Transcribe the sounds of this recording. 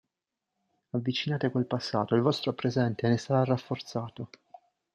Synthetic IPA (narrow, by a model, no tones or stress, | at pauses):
avːit͡ʃinaːt̪ekwelpasːa̰ːt̪oilvɔst̪ɾopɾezɛnt̪enesaɾarafːort̪saːt̪o